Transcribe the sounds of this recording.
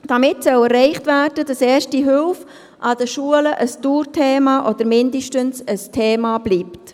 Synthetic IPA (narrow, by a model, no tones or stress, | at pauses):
d̥ɑmɪtsœwɛɾrːɛɪχtvæːrd̥ədɑseːʃtiɦʏlf | ʔɑd̥əʃuələʔəsdtuːɾtʰeːmɑʔɔdəɾmɪndəʃtənsəstʰeːmɑb̥liːpt